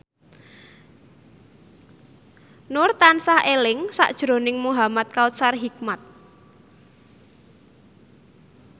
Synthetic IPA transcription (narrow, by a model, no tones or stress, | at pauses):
nʊrt̪ansahʔelɪŋsa̰ʔd̥ʒ̥ɾo̤nɪŋmuɦamat̪̚kaut̪sarɦik̚mat̪̚